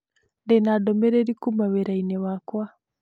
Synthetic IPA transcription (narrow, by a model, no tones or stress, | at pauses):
ndɛnadɔmɛɾɛɾikumaweɾainewakwa